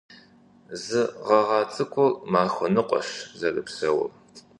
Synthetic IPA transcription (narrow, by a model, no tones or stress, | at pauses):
zɨʁɐʁɑːt͡sʼɨkʷʰɔrmaːxʷʊnɨqʷʼɔ̰ɕzɐrɨpsɐwɐ̰r